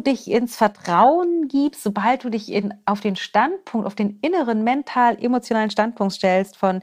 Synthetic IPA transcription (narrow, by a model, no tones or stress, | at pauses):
dɪçɪnsfɛɐtʁ̥aʊənɡiːpstz̥obalt̚d̥uːdɪçɪʔaʊfd̥eːnʃtant̚pʰʊŋk̚tʔaʊfd̥eːnʔɪnəʁənmɛntʰaːlʔemot͡sjonaːlənʃtant̚pʰʊŋk̚tʃtɛlstfɔn